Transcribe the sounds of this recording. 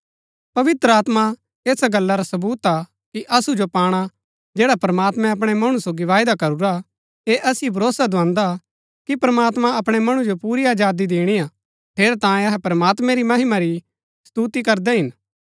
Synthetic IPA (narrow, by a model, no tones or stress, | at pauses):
pɐʋɪt̪ɾəaːt̪ma | eːsaɡɐlːaɾasɐbuːt̪a | kiʔɐsud͡ʒopaːɽ̃a | d͡ʒeːɽapɾəmaːt̪mɛ̃ɐp̬ɽ̃emɐɽ̃ũsoːɡiʋaːɪd̪akɐɾuɾa | eʔɐsɪebʱɐɾoːsad̪ʱʊãːnd̪a | kipɾɐmaːt̪mãɐpɽ̃emɐɽ̃ud͡ʒopuːɾiaːd͡ʒaːd̪id̪eːɽ̃ia | t̪ʰeːɾt̪ãːjẽɐɦɛpɾəmaːt̪mɛ̃ɾimɐɦɪmaɾi | st̪uːt̪ikɐɾd̪ɛɦɪn